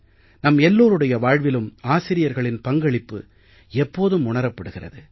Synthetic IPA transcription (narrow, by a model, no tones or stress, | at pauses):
nɐmɛlːoːɾɯɽɐjɐʋaːɻʋɪlɯmaːsɪɾɪjɐɾɣɐɭɪnpɐŋɡɐɭɪpːɯ̰ | ɛpːoːðɯmʊɳɐɾɐpːɐɽɯɣɪrɐ̰ðɯ